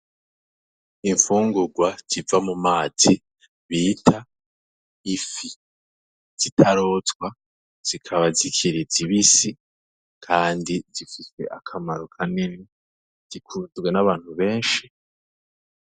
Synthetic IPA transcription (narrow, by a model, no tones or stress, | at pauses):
iɱfuːŋɡuɡwaz̥ivamumaːz̥i | βiːtʰa | ifi | z̥itʰaɾo̞ːtɡwa | z̥ikʰaβazikʰiɾiziβisi | kʰaːndiz̥ifise̞̰ʔakʰamaɾokʰanine | z̥ikʰuzɡwe̞naβaːn̥huβe̞ːnʃi